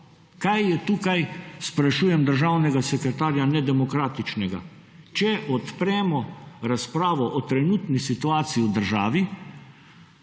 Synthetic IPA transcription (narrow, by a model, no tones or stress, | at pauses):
kajːɛt̪ukajspɾɛʃuːjɛmd̪əɾʒaːwnɛɡasɛkɾɛt̪aːɾjanɛd̪ɛmɔkɾaːt̪it͡ʃnɛɡa̰ | t͡ʃɛʔɔt̪pɾɛːmɔɾaspɾaːʋɔʔɔt̪ɾɛnuːt̪nisit̪uaːt̪siːud̪əɾʒaːʋi